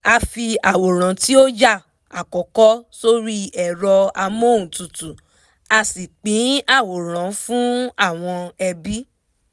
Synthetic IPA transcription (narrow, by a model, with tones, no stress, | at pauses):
a˧fi˧a˨wo˨ɾ̃ã˨ti˦o˦d͡ʒa˦˨ | a˨kɔ˨kɔ˦so˦ɾi˦ɛ˨ɾɔ˧a˧mõ˦˨tu˨tu˨ | a˧si˨k͡pĩ˨˦a˦˨wo˨ɾ̃ã˨˦fũ˦a˦˨w̃ɔ̃˧ɛ˧bi˦